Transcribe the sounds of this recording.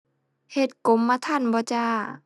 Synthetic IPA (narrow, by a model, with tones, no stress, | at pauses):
he˧˩t̪̚ko˨˧˦mːaː˧t̪ʰa˧˥˩nbɔː˧˦t͡ɕaː˧˩